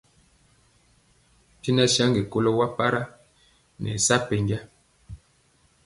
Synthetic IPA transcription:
ti˦na˦sa˦ŋɡe˨ko˦lo˦wa˦pa˦ɾa˦ | nɛ̰˨sa˦pe˨ɲɡa˦

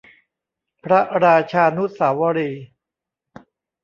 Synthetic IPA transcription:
pʰɾa˦˥ʔɾaː˧t͡ɕʰaː˧nu˦˥saː˩˦wa˧ɾiː˧

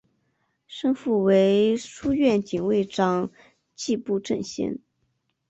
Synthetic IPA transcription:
ʂɤ˥ŋfu˥˩we˧˥ɪʂu˥ɥɛ˥˩nt͡ɕi˨˩ŋwe˥˩ɪʈ͡ʂɑ˥ŋ | t͡ɕi˥˧pu˥˧ʈ͡ʂə˥˧˩nɕjɛ̰˥n

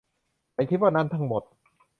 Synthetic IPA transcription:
a˧˩jt̪ʰiː˦˥˩waː˥˩na˦˥nt̪ʰa˦˥ŋmo˨˩t̪̚

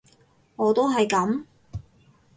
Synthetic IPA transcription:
ŋɔː˨˧t̪o˥wɦɐ˨jkɐ˨˥m

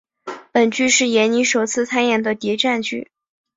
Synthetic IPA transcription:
pə˨˩nt͡ɕy˥˧ʂɻ̩˥˩jɛ˧˥nni˧˥ʂo˨˩ʊt͡sʰɹ̩˥˧t͡sʰa˥njɛ˨˩nd̪ə˩t̪jɛ˧˥ʈ͡ʂa˥˧nt͡ɕy̰˥˩

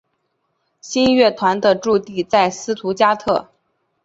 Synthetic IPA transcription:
ɕi˥nɥɛ˥˩t̪ʰwa˧˥nd̪ə˧ʈ͡ʂu˥˧t̪i˥˧t͡sa˥˩ɪsɹ̩˥t̪ʰu˧˥t͡ɕja˥t̪ʰɤ˥˩

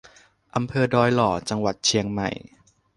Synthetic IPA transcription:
ʔa˧mpʰɤː˧dɔː˧jlɔː˨˩t͡ɕa˧ŋwa˨˩t̪̚t͡ɕʰi˧əŋma̰˨˩j

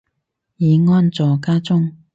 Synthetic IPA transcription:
jiː˨˧ŋɔː˥nt͡sɔː˨kaː˥t͡sʊ˥ŋ

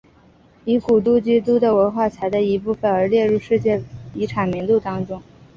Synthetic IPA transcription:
i˧˥ku˨˩t̪̬u˥˩t͡ɕi˥t̪̬u˥d̪ə˨wə˧˥nxwa˥˩t͡sʰa˧˥ɪd̪a˥˩i˧˥pu˥˩fə˨˩nə˞˧˥ljɛ˥˧ɻu˥˧ʂɻ̩˥˧t͡ɕjɛ˥˩i˧˥ʈ͡ʂʰa˨˩nmi˧˥ŋt̪u˥˩t̪ɑ˥ŋʈ͡ʂʊ˥ŋ

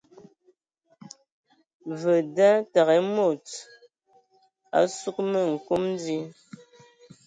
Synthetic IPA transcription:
və˨da˦ta˨ɣɛ˨˦mo˨t | a̰˨˦su˦k̚mə˨ŋ̩˨ku˦mn˦di˦

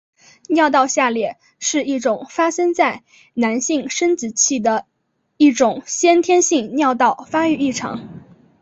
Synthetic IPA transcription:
njɑ˥˧ʊt̪ɑ˥˧ʊɕja˥˧ljɛ˥˩ | ʂɻ̩˥˧i˥˩ʈ͡ʂʊ˨˩ŋfa˥ʂə˥ŋt͡sa˥˩ɪ | na˧˥nɕi˥˩ŋʂə˥nt͡sɹ̩˨˩t͡ɕʰi˥˩d̪ə˩ | i˥˩ʈ͡ʂʊ˨˩ŋɕjɛ˥nt̪ʰjɛ˥nɕi˥˧ŋnjɑ˥˧ʊt̪ɑ˥˩ʊfa˥y˥˧˩i˥˩ʈ͡ʂʰɑ̰˧˥˦ŋ

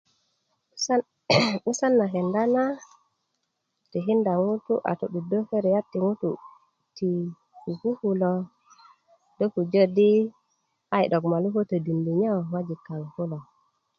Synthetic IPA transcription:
mu˦sa˦nːa˨ɦe˨nda˦na˦ | te˨ɦi˦nda˨ŋu˦tu˦ʔa̰˨tṵ˨ɗu˨do˦fe˦ɾe˨ja˦tːi˨ŋu˦tu˨ | ti˨ | ku˨ku˦hu˦lo˨ | do˦ku˨d͡ʒo˦di˦ | a˦jɗo˨kma˨lu˦ɦo˦tə˨di˨ndi˨ɲa˦wwa˦d͡ʒi˨kːa˨ŋ˨ku˦lo˨

